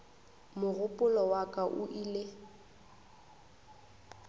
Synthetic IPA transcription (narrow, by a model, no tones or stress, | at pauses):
mʊɣʊpʼʊlɔwakʼaʔʊʔile